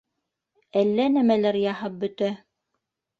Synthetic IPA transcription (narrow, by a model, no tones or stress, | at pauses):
ælːænæmælæɾjɑhɤp̚bɵ̆t̪æ